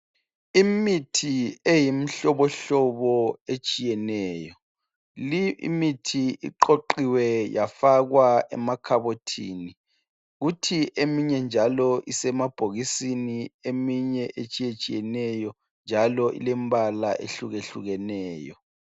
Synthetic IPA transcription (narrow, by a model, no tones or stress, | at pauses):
imitʰiejim̩ɬɔβɔɬɔβɔet͡ʃʼijɛnɛːjɔ | liḭmitʰiḭǃoǃiwɛjafaɣwaɛ̰makʰaβotʰḭːni | ɣutʰiʔemiɲɛnd͡ʒʱalɔʔisɛmab̥ʱoɣisiniemiɲɛʔet͡ʃʼijet͡ʃʼijɛnɛjɔ | nd͡ʒʱalɔʔḭlembala̰ʔḛɬuɣeɬṵɣɛnɛːjɔ